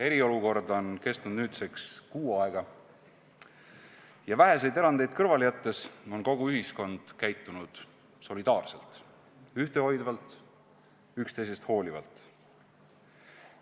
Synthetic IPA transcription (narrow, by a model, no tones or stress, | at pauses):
e̞ɾio̞luko̞rd̪o̞nke̞st̪nud̪nyːt̪sekskuːɑeɡ̥ɑ | jɑvæɦe̞se̞jd̪eɾɑnd̪̥e̞jd̪̥̚kɤrvɑlijɑt̪ˑːe̞so̞nko̞ɡ̥uyɦisko̞nd̪̥kæjt̪ːˑunud̪̥ | so̞lid̪̥ɑːrse̞lt̪ˑ | yht̪eho̞jd̪vɑlt̪ˑ | ykst̪e̞jse̞st̪ho̞ːlʲivɑ̰lt̪ˑ